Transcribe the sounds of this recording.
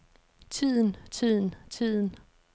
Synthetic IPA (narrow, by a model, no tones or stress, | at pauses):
t͡sʰið̰ˠn̩t͡sʰið̰ˠn̩t͡sʰið̰ˠn̩